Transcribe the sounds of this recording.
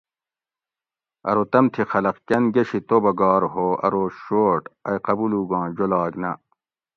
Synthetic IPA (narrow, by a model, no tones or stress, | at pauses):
ɐ̰ɾot̪ɐmt̪ʰixɐlɐqkʲɐnɡɐɕit̪obɐɡɑːɾɦoːɐ̰ɾoːɕoːʈɐjqɐbuluːɡɑ̃ːd͡ʑolaːɡnɐ